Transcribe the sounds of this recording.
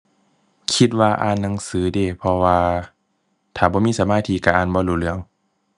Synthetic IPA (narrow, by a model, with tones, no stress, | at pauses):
kʰi˧t̪̚waː˧ʔa̰ː˧˩˨nːa˧˦ŋsɯː˨˦deː˧˩˨pʰɔ˧waː˧ | t̪ʰaː˨˩bɔː˧˦miː˧˥˨sa˧˦maː˧˥˨t̪ʰiː˧˨kaː˧˩ʔaː˧˩˨nbɔː˧˦luː˧˩lɯ˧˦˨əŋ